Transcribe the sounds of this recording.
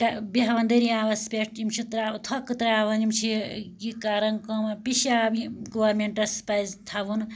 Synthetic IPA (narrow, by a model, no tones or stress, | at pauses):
ʈɐbiɦɐʋɐnd̪ɐɾiaːʋɐspʲeʈimt͡ʃʰit̪ɾat̪ʰɐkɨt̪ɾaːʋɐnimt͡ʃʰijikaːɾɐnkɐmɐpiʃabiɡoʋɐɾmeɳʈɐspɐzt̪ʰaʋun